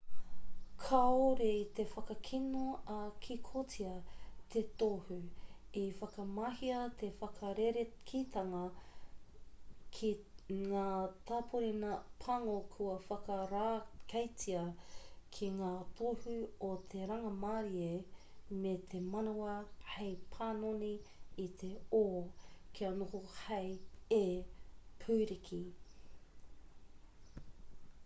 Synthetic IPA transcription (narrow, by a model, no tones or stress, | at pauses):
kʰaoɾet̪efɐkɐkʰinoɐkʰikʰotiɐt̪ʰet̪ohʉ | ifɐkɐmahiɐt̪ʰefɐkʰɐɾeɾekʰit̪ʰɐŋɐ | kʰiŋaːt̪aːpʰoɾinɐpʰɐŋokʰuɐfɐkɐɾakʰɐjt͡siɐkʰiŋaːt̪ʰohʉot̪ʰeɾɐŋɐmaːɾie | met̪ʰemɐnawɐhejpʰaːnoniːt̪ʰeoːkʰiɐnohohɐje | pʰuːɾikʰi